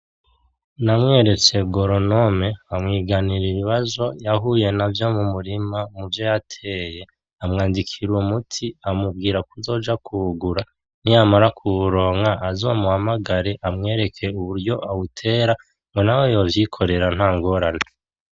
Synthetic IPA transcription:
namŋe̞ːɾe̞t͡se̞ɡo̞ɾono̞meamŋiːɡaniɾiβiβazo̞jaɦuːje̞navjo̞mumuɾimamuvjojatʰe̞ːje̞ | amŋaːndikʰiɾumutʰiamubɡiːɾakuzo̞ːd͡ʒakʰuɡuɾa | niamaɾakʰuβuɾo̞ːŋaʔːzo̞ːmuhamaɡaɾeʔamŋe̞ːɾe̞kʰe̞uβuɾɟo̞ʔaβutʰe̞ːɾa | ŋɡo̞nawe̞jo̞ːvjikʰo̞ɾe̞ɾan̥haːŋɡo̞ɾane

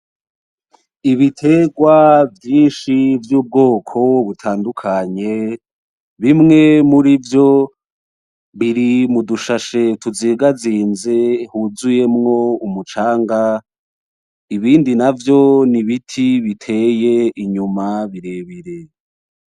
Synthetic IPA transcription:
iβitʰe̞ɡwavjiːnʃivjuːb̚ɡo̞ːkʰo̞βutʰaːndukʰaɲe̞ | βimŋe̞muɾivjo̞ | βiɾimuduʃaʃe̞tuziːɡaziːnze̞huzuje̞mŋo̞umut͡ʃaːŋɡa | iβiːndinavjo̞niβitʰiβitʰe̞je̞iɲumaβiɾe̞βiɾe̞

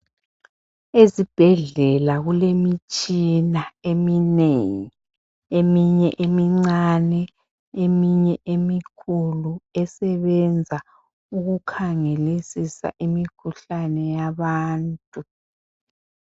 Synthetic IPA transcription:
ezib̥ʱɛɮɛlaɣulemit͡ʃʼinaemineŋi | emiɲɛʔemiŋ͡ǀanɛ | emiɲɛʔemikʰuluɛsɛβɛnd͡zʱa | uɣukʰaŋelisisa̰ʔimikʰuɬanɛjaβaːntʼu

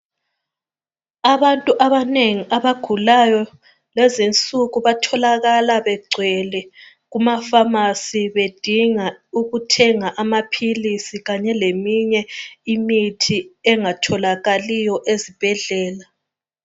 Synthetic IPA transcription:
aβantʼuʔaβaneŋiʔaβaɡ̥ʱulajɔ | lɛzint͡sʼuɣuβatʰɔlaɣalaβɛɡ͡ǀʱwɛlɛ | ɣumafamasiβed̥ʱiŋauɣutʰɛŋaʔamapʰilisiɣaɲɛlemiɲɛimitʰiɛŋatʰɔlaɣalijɔʔezib̥ʱɛɮɛːla

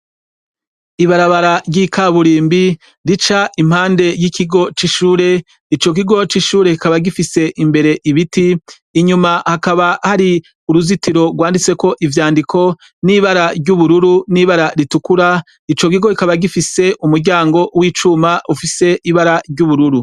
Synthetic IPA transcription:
iβaɾaβaɾaɾɟikaβuɾiːmbi | ɾit͡ʃaʔim̥haːnde̞jikʰiɡo̞t͡ʃiʃuːɾe̞ | it͡ʃo̞k̬iɡo̞t͡ʃiʃuːɾe̞kikaβaɡifise̞ʔimbe̞ɾe̞ʔiβitiː | ɲumahakaβahaɾi | uɾuzitiɾo̞ɡwaːndit͡se̞ko̞ʔivjaːndikʰo̞ | niβaɾaɾɟuβuɾuɾuniβaɾaɾitukuɾa | it͡ʃo̞k̬iɡo̞ikaβaɡifise̞ʔumuɾɟaːŋɡo̞wiːt͡ʃumaʔufise̞ʔiβaɾaɾɟuβuɾuɾu

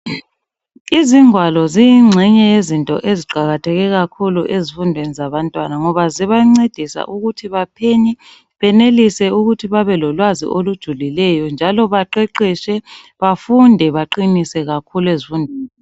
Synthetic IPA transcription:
iziŋwalɔzijiŋ͡ǀʱɛɲɛjezintʼɔ̰ʔeziɡ͡ǃʱaɣatʰɛɣɛɣakʰuluʔezifundʱwenizaβantʼwanaŋɔβaziβaŋ͡ǀed̥ʱisa̰ʔuɣutʰiβapʰeɲi | βɛnelisɛuɣutʰiβaβɛlɔlwazḭʔolud̥ʒ̥ʱulilɛjɔnd͡ʒʱalɔβaǃeǃiʃɛ | βafundʱɛβaǃinisɛɣakʰulwezifundʱweːni

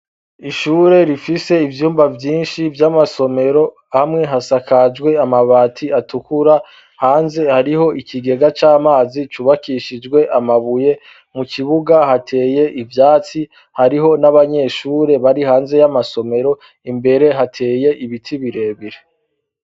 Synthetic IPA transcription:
iʃuːɾe̞ɾifise̞ivjuːmbavjiːnʃivjamaso̞me̞ɾo̞ | hamŋe̞ɦasakad͡ʒɡwe̞amaβaːtʰiatukuɾa | haːnze̞haɾiɦo̞ʔikʰiɡe̞ɡat͡ʃaːmaːzit͡ʃuβakiʃid͡ʒɡwe̞ʔamaβuje̞ | mukiβuɡahatʰe̞ːje̞ʔivjaːt͡si | haɾiɦo̞naβaɲe̞ːʃuːɾe̞βaɾihaːnze̞jamaso̞me̞ɾo̞ | imbe̞ɾe̞ɦatʰe̞ːje̞ʔiβitʰiβiɾe̞βiɾe

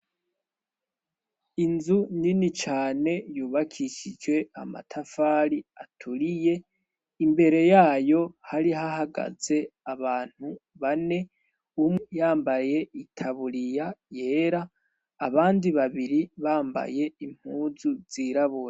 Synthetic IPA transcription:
inzuninit͡ʃaːne̞juːβakʰiʃid͡ʒwe̞ama̰tʰafaːɾiatʰuɾije̞ | imbe̞ɾe̞jaːjo̞haɾihahaɡa̰z̥e̞aβaːn̥huβane̞ | umjaːmbaje̞itʰaβuɾijaje̞ːɾaː | βaːndiβaβiɾiβaːmba̰je̞im̥huːzuz̥iːɾaβuɾa

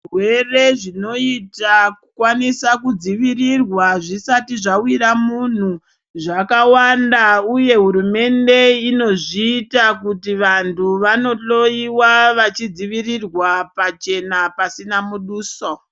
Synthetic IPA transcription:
rwere̞ʐino̞itakukwanisakud͡ziʋirirwaʐisatiʐawiɾamun̤u | ʐakawandauje̞ɦuɾume̞nde̞ino̞ʐiːtakutiʋantʰuʋano̞ɬo̞iwaʋat͡ʃid͡ziʋirirwapat͡ʃe̞napasinamuɗuːso

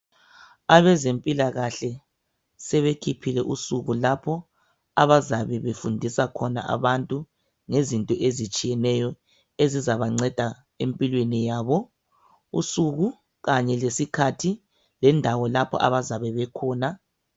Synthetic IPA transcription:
aβɛzempʼilaɣaɬɛ | sɛβekʰipʰilɛʔusuɣulapʰɔ | aβazaβɛβefundʱisakʰɔna̰ʔa̰βantʼu | ŋezintʼɔʔezit͡ʃʼijɛnɛjɔ | ezizaβaŋ͡ǀɛd̥ʱa | empʼilwenijaːβɔ | ṵsuɣu | ɣaɲɛlesikʰatʰi | lɛndʱawɔlapʰɔ̰ʔa̰βazaβɛβɛkʰɔːna

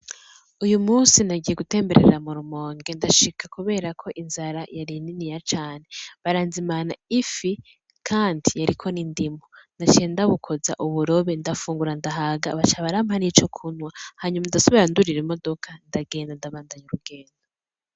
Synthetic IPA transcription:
ujumuːsinaɟije̞ɡute̞ːmbe̞ɾe̞ɾamuɾumo̞ːŋɡe̞ndaʃikʰakuβe̞ːɾakʰo̞ʔinzaɾajaɾininijat͡ʃaːneβaɾaːnzimanaifi | kʰaːndijaɾikʰo̞nindimonat͡ʃiendaβukʰo̞za̰ʔuβuɾo̞βendafuːŋɡuɾandaɦaɡa̰βat͡ʃaβaɾamhanit͡ʃo̞kʰunwahaːɲumandaso̞βiɾanduɾiɾemo̞do̞kʰandaɡe̞ːndandaβaːndaɲuɾuɡe̞ːndo

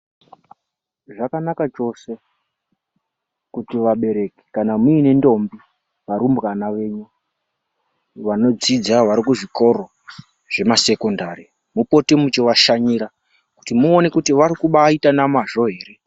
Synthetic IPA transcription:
ʐakanakat͡ʂo̞se̞ | kutiʋaɓe̞ɾe̞ki̥kanamuine̞ndo̞mbi | ʋaɾumbɣanaʋe̞ɲu | ʋano̞d͡zid͡zaʋaɾikuʐiko̞ɾo̞ | ʐ̥e̞mase̞kondaɾi | mupo̞temut͡ʃiʋaʃaɲiɾa | ku̥timuone̞kutiʋaɾikuɓaːitanamaʐo̞ɦe̞ːɾe̞

